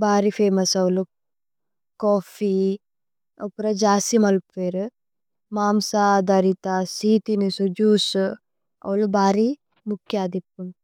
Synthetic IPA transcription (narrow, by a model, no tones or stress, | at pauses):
baːɾifʰeːmɐsɐwlu | koːfi | ɐpɾɐd͡ʒaːsimɐlpeɾ | maːmsad̪ɐɾit̪asiːt̪inisud͡ʒuːs | ɐ̰wlubaːɾi | mukʰjaːd̪ip̚ːun